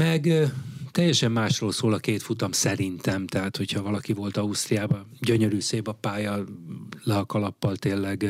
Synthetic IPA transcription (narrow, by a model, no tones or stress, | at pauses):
mɛɡt̪ɛjːɛʃɛmːaːʃroːlsoːlɒkeːt̪fut̪ɒmsɛɾint̪ɛmt̪ɛɦaːt̪ho̞chɒvɒlɒkivo̞lt̪ɒust̪rijaːbɒɟøɲø̞ɾyːseːbɒpaːjɒlɛɦɒkɒlɒpːɒlt̪eːnlːɛɡ